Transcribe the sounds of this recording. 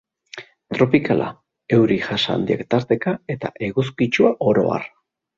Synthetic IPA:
t̪ɾo̞pikalʔa̰ | e̞wɾiʝasa̰nd̪iekt̪aɾt̪e̞kae̞t̪a̰ʔe̞ɣus̬kit͡ʃuaʔo̞ɾo̞̰a̰r

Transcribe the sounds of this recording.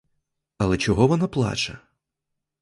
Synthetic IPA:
ɐlˠɛt͡ʃɔɦɔʋɔnaplˠɑ̰t͡ʃɐ

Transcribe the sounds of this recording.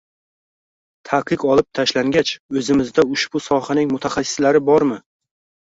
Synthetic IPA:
t̪ʰaqʰɨqɒlˠɪp̚t̪ʰaʃlaŋɡʲat͡ʃɵzɪmɪzd̪aʊʃb̥ʊsɒhanɪŋmʊt̪ʰaχasːɪ̥slaɾɪbɒɾmɪ

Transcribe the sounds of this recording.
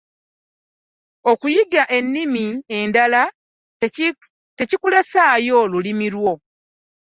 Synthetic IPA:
okujiɡaʔe̞nːimiendala | te̞cikulesaːjo̞lulimiɾwo̞

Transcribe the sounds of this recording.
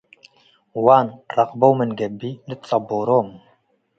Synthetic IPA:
wanrɑqbowmənɡɛbilɨt̪t͡sɑboɾoːm

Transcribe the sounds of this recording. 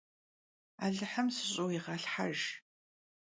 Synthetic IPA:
a̰ːɮɨħɐmsɨɕʼowiʁɐɬħa̰ʒ

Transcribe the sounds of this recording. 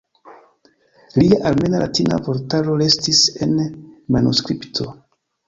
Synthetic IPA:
liaʔalme̞nalʔatina̰po̞ɾtalo̞ɾe̞stise̞nmanuskɾiptʰo̞

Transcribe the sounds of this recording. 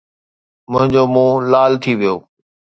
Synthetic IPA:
mʊ̃ɦɪ̃ɲd͡ʑoːmũːlaːlt̪ʰiʋijoː

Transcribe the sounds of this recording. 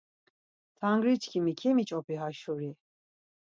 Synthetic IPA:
t̪ʰaŋɡɾit͡ʃʰkʰimikʰɛmit͡ʃʼɔpiɦaʃuɾi

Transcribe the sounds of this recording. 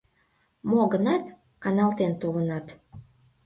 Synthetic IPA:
moɣənɑt̪ | ɑnɑlt̪ent̪olənɑt̪

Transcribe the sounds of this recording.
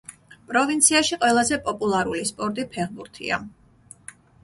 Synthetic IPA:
pʼɾɔvint̪sʰiaʃiqʼwɛlˠazɛpʼɔpʼulˠaɾulispʼɔɾt̪ʼipʰɛʁbuɾt̪ʰḭa̰

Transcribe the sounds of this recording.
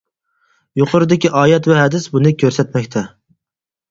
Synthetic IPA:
joqʰʊɾd̪ɪkʲʰiʔɑːjɛt̪vɛɦæd̪ɪsbunɪkʲʰøɾsɛt̪mɛkʲt̪ʰɛ

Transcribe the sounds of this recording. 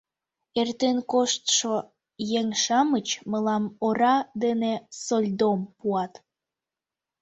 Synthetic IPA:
ert̪enkoʃt̪ʃo | jeŋʃɑmət͡ɕməlɑmoɾɑd̪enesolʲd̪ompuɑt̪

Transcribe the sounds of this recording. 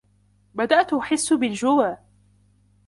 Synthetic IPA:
bad̪aʔt̪ʔʊħɪsːʊbɪld͡ʒʊwaː

